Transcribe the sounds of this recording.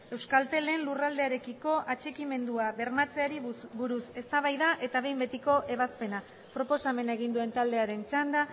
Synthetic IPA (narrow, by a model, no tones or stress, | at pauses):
e̞wskalt̪e̞le̞nlurald̪e̞aɾe̞kiko̞ʔat͡ʃe̞kime̞nd̪uaβe̞ɾmat͡se̞aɾibuɾuse̞st̪aβajðaʔe̞t̪aβe̞jmbe̞t̪iko̞ʔe̞β̞aspe̞na | pɾo̞po̞same̞naeɣ̞ind̪ue̞nt̪ald̪e̞aɾe̞nt͡ʃand̪a